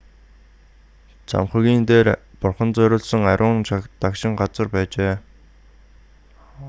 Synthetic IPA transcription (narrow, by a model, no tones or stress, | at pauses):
t͡sʰa̰mχə̆ɣʲiːnt̪eːrpʊrχə̆nt͡sœɾʲʊːɮsə̆ŋaɾʲʊːnt͡ɕt̪akʃɪ̆ŋɢat͡sə̆rpæːt͡ɕeː